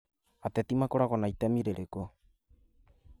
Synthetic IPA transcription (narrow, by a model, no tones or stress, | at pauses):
at̪et̪imakoɾakonajt̪amiɾeɾeko